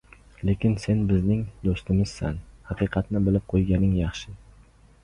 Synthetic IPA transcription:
le̞kʲɪnse̞nbɪznɪŋd̪ost̪ɪmɪz̥sa̰nhɑqʰɨqʰɑt̪nɪbɪlɪp̚qʰojɡʲanɪŋjɑχʃɪ

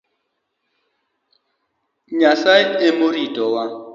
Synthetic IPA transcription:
ɲasaɪmʊritʼɔwa

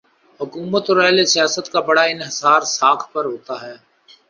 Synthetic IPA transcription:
ɦʊkuːmət̪ɔːɾɛːlesijaːsət̪kabɐɽaɪnɦɪsaːɾsaːkʰpɐɾɦoːt̪aɦɛː

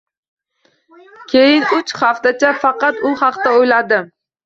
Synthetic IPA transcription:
kʲʰejɪnʊt͡ʃχaft̪at͡ʃʰafɑqɑt̪ʊχɑqt̪aojlad̪ɪ

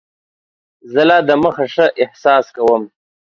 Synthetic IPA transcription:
zəlɑːd̪əməxaʂəʔɪhsɑːskawəm

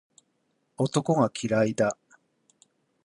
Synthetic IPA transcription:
o̞t̪o̞ko̞ɡakʲʰiɾaid̪a

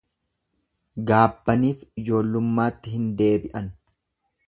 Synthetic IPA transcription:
ɡaːbːɐniːfɪd͡ʒo̞ːlːʊmːaːt̪ːɪhɪnd̪e̞ːbɪʔɐn

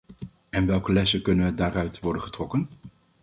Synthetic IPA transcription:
ɛnʋɛlˠkəlɛsəkɵnənʋədaːrœɥtʋɔɹdənχətrɔkən

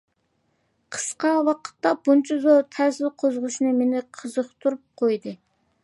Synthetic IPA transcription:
qʰə̥sqɑwɑqʰə̥t̪ːɑb̥unt͡ʃʰɑzoɾt̪ʰæzɪlqʰozʁʊʃnɨmenɪqʰəzəχt̪ʰuɾup̚qʰojd̪ɨ

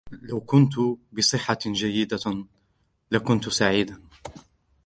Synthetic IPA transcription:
lawkʊnt̪ʊbɨsˤɨħːad͡ʒajːɪd̪a | lakʊnt̪saʕiːd̪a

